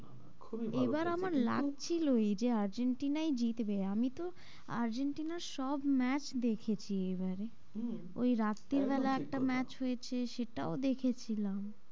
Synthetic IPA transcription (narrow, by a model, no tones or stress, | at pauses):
kʰuebaɾamaɾla̰ɡ̚t͡ɕʰilojd͡ʑeaɾd͡ʑeɳʈinajd͡ʑit̪ebeamit̪o | a̰ɾd͡ʑeɳʈinaɾʃɔbmɛt͡ɕd̪ekʰet͡ɕʰiejbaɾe | o̰jɾat̪ːiɾbɛlaɛk̚ʈamɛt͡ɕɦojet͡ɕʰeʃeʈaod̪ekʰet͡ɕʰilam